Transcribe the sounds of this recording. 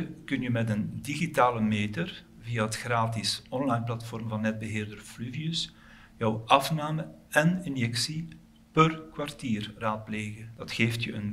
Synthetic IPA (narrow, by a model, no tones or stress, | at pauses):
kɵnjəmɛtəndiɣitaːləmeːtər | vijaɦətxraːtɪsɔnlajnplɑtfɔrmvɑnːɛd̚bəɦeːrdərflyviəs | jœwɑfnaːməɛnɪnjɛksi | pərkwartiːrraːt̚pleːɣəd̥ɑtxeːftjəən